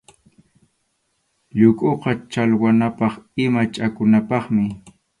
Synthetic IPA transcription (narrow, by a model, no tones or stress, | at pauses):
ʎʊkʼʊqɑt͡ʃalwanapɑχɪmat͡ʃʼakʊnapɑχmɪ